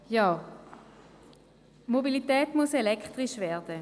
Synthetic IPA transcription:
jaː | mobilit̪ɛːtmuselɛkχt̪ʁiʃvɛːɐd̥ə

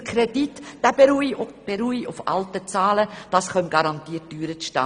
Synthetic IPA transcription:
kʰɾɛditd̥æbeɾuib̥eɾuːiʔʊfɑ̰ltət͡sɑːləd̥ɑsχœmɡ̥ɑɾɑnt̪iətdyːɾət͡sʃtɑ̰

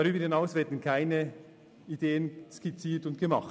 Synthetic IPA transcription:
ɑɾyːbəɾhinaʊsv̥ɛːɐdn̩kʰaɪnə | ideːənskit͡siːtʊnt̚ɡ̥əmɑχt

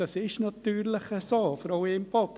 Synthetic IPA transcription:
ɑsɪʃnɑt̪yːɾləχəsoːfɾowɪɪmpɔt̪

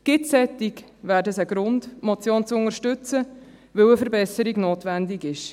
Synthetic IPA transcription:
ɡ̥ɪtsɛtɪɡ | væːɾdəsəɡɾʊndmɔt͡sjoːnt͡sʊŋəɾʃtʏt͡səʋɵwəfəɾbɛsəɾiɡnoːtʋændɪɡɪʃ

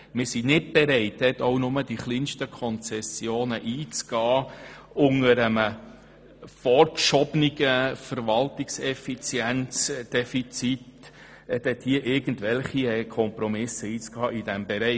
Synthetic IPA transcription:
mɪɾsinɪt̚b̥ɛɾɛɪt̚dɛtoʊnʊməd̥iχlinʃtəkʰɔnt͡sɛsjoːnəʔiːt͡sɡ̥ɑː | ʔʊŋəɾəmə | fɔrtʃɔbniɡ̥əfəɾvɑltɪksɛfit͡sjɛnt͡sd̥ɛfit͡sit | d̥ɛthiəʔɪɾɡ̥ən̩dʋɛlχikʰɔmpɾɔmɪsəiːt͡sɡ̥ɑːʔid̥ɛmbɛɾɛɪ

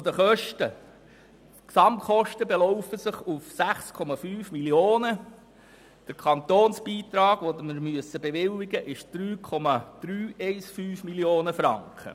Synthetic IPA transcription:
od̪əχœʃtə | ksɑmtχɔʃtəbɛlɔʊfəsəχufsæχskʰɔmɑfyːfmiljoːnə | d̥əɾkʰɑnt̪oːnsb̥iːt̪ɾɑːɡ̥ʋod̪əmɪɾmyəsəbeʋɪlːɪɡəʔɪʃd̪̥ɾyːkʰɔmɑd̪̥ɾyːʔɛɪsfyːfmiljoːnəfɾɑŋkχə̰

